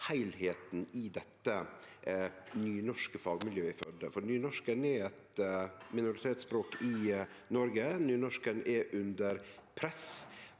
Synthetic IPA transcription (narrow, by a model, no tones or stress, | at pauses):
hæɪlheːt̪n̩ɪd̪ɛt̪ːə | nyːnɔʂkəfɑːɡmɪljøːɪfœd̪əfɔɾnyːnɔʂkənɛɛt̪mɪnʊɾɪt̪ʰeːt̪sbɾoːkɪnɔɾɡənyːnɔʂkənɛʔʉnd̪əɾpʰɾɛs